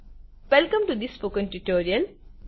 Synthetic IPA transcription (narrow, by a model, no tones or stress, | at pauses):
ʋɛlkə̃mʈud̪ɪsːpoːkə̃nʈuʈoːɾiəl